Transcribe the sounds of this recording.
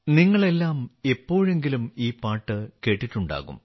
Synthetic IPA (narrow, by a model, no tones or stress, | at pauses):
niŋːɐɭe̞lːaːmepːo̞ːɻe̞ŋɡilumiːpaːʈːɨke̞ːʈːiʈːuɳɖa̰ːɣṵm